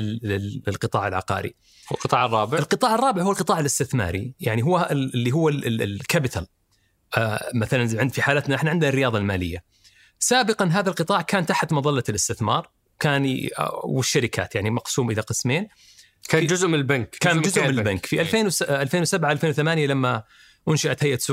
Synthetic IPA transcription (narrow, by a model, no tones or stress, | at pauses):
ɪlqɨt̪ˤɑ̰ːʕɪlʕɑ̰qɑ̰ːɾḭ | lqɨt̪ˤɑːʕrˤːɑːbɪɪlqɨt̪ˤɑːʕɑrˤːɑːbɪʕhuːalqɨt̪ˤɑːʕɪlɪst̪ɪθmɑ̰ːɾḭjaʕniɦʊwːaɪlːiɦʊwːalkabɪt̪ʰal | maθalanʕɪnd̪fiħaːlaːt̪naʔɪħnaʕɪnd̪narːɪjɑːðˤɑlmaːlɪ̰jːa | saːbɪqɑnɦaːðalqɨt̪ˤɑːʕkaːnt̪aħt̪mɑðˤɑlːalɪst̪ɪθmɑ̰ːɾˤ | wkaːn̰wɪʃːaɾɪkʰa̰ːt̪jaʕnimɑqsuːmʔɪlaqɨsmeːn | kaːnd͡ʒʊzʔmɪɪlbankkaːd͡ʒʊzʔmmɪnbankfiʔalfeːnwʔalfeːnwsabʕaalfeːnwθamaːnjalamːa | ʔʊnʃaʔat̪hajʔasu